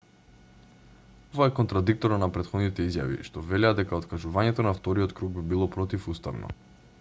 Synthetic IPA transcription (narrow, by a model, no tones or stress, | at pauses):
ɔvaɛkɔnt̪ɾad̪ik̚t̪ɔɾanapɾɛt̪xɔd̪nit̪ɛizja̰vḭʃt̪ɔvɛlad̪ɛkaot̪kaʒuvaɲɛt̪ɔnaft̪ɔɾijɔt̪kɾuɡ̚bibilˠɔpɾɔt̪ifust̪avnɔ̰